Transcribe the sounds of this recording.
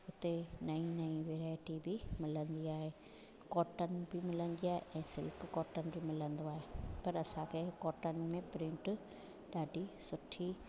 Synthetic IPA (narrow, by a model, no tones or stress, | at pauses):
ʊt̪enɐĩnɐĩʋeːɾaːɪʈibɪmɪlə̃nd̪iaːɦeː | kɔːʈənɪ̆bɪmɪlənd̪iaːɦḛʔɛ̃ːsɪlkkɔːʈənɪ̆bɪmɪlə̃nd̪oaːɦepɐɾɐsãkʰeːkɔːʈənɪ̆mẽpɾɪ̃ɳʈ | ɗaːɖisʊʈʰi